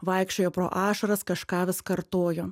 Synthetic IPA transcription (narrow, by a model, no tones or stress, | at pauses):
ʋɐɪkʃʲt͡ʃʲoːjopɾo̰ːʔɑːʃɐɾɐskɐʃkɑːʋʲɪskɐɾt̪oːjoː